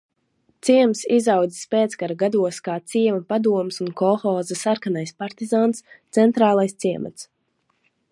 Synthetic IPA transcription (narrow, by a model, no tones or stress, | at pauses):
t̪siɛmsizawd̪zi̥speːt̪skaɾaɡad̪uɔskaːt̪siɛvɐpad̪uɔmsunkɔxɔːzasaɾkanajspaɾt̪izaːnst̪sɛnt̪ɾaːlˠajst̪siɛma̰t̪s